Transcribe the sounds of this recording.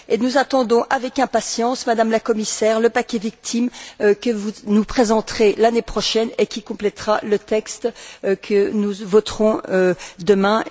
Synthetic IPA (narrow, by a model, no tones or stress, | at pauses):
enuzat̪ɑ̃d̪ɔ̃ʔavɛkɛ̃pasjɑ̃smad̪amlakɔmisɛʁləpakʲɛvik̚t̪ʰimkəvunupχezɑ̃t̪χelanepχɔʃɛnekʲikɔ̃plɛt̪χalət̪ɛkst̪kʰənuvɔt̪χɔ̃ød̪əmɛ̃